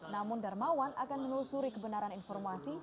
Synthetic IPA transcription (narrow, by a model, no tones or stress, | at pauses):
namʊndarmawanakanmənulusuɾikəbənaɾaninfɔrmasi